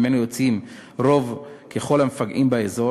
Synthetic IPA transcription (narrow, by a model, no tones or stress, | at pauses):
menujo̞t͡sʔimʁo̞vkʰe̞χo̞lhamefaɡʔimbaezo̞